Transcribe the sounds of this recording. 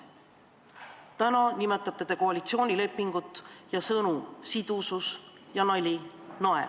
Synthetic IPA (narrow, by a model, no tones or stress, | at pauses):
t̪ænɑnime̞t̪ːˑɑt̪ːˑed̪̥eko̞ɑlit̪sio̞ːnʲile̞pːiŋɡ̥ut̪ːˑjɑsɤnusid̪̥ususjɑnɑlʲinɑḛ